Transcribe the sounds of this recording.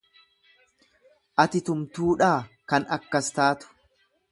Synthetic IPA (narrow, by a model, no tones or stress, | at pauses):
ʔɐt̪ɪt̪ʊmt̪uːᶑaːkɐnɐkːɐst̪aːt̪ʊ̥